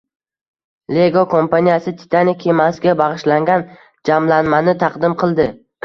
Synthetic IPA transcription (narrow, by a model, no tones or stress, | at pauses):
le̞ɡokʰo̞mpanʲijasɪt̪ʰɪ̥t̪ʰanɪkʲʰːe̞masɪɡʲabɑʁɨʃlaŋɡʲan | d͡ʒamlanmanɪt̪ʰɑqd̪ɪmqʰɨlˠd̪ɪ